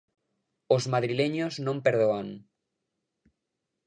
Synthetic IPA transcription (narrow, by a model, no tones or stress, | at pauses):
ozmaðɾileɲoznõmpeɾðoaŋ